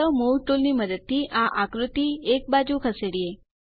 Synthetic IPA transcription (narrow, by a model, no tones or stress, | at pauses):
əmulʈolniməd̪əd̪̚t̪ʰiʔaʔakɾut̪iek̚bad͡ʒũkʰəseɽie